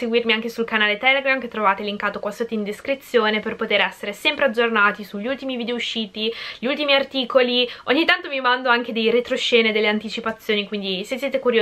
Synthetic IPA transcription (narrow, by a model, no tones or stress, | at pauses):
seɡwirmiaŋk̟esulkanaːlet̪ɛleɡɾamket̪ːɾovaːt̪eliŋkaːt̪okwasat̪eind̪eskɾit̪sːjoːneperpot̪eːɾɛsːeɾesɛmpɾead͡ʒːornaːt̪isuʎːiult̪imivid̪eouʃːiːt̪iʎiult̪imiart̪iːkolioɲːit̪ːant̪omimand̪oaŋk̟ed̪ejɾet̪ɾoʃːeːned̪elːeant̪it͡ʃipat̪sːjoːnikwind̪isesːjeːt̪ekuɾjo